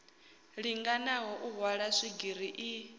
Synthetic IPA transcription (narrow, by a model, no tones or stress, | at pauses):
ɺiŋɡanaɦɔʔuɦwaɺaʂiɡiɾiʔi